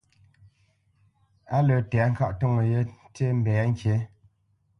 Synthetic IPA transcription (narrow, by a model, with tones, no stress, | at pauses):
a˦lə˨tɛ˨˦ŋ̩˦ka˦ʔto˦˨ŋə˨je˦te˦m̩˦bɛ˨˦ŋ̩˦kje˨˦